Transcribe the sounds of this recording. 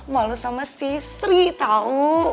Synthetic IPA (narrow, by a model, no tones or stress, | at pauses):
malusamasisɾit̪au